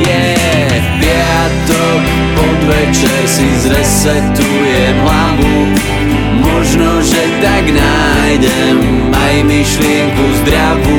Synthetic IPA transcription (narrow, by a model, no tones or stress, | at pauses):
jɛ | bɪɛɦa | t̪ɔ | pɔd̪ʋɛt͡ʃɛɾsizɾɛs | ɛkt̪ujɛ | ɦlavu | mɔʒnɔʒɛt̪aɡna | jɟɛ | m | ajmiʃlɪɛŋkuzd̪ɾaʋu